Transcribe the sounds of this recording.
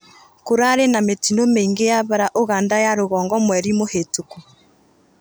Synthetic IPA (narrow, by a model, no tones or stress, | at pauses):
koɾaɾenametinomeːŋɡejaβaɾaʔoɣaːndajaɾoɣɔːŋɡɔmwɛɾimohetoku